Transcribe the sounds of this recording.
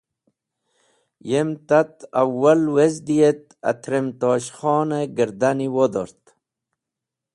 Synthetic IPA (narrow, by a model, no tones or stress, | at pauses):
jemt̪at̪awːalwezd̪ijet̪a̰t̪ʰɾemt̪oːɕχɔːneɡəɾd̪aniwod̪o̰ɾt̪